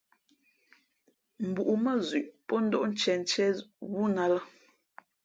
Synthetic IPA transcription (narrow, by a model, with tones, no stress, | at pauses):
m̩˨bu˨ʔu˨mə˦zʉ˨ʔpɔ˦n̩˦dɔ˦ʔn̩˦t͡ʃɛ˨n̩˨t͡ʃɛ˦wu˦na˦lə˦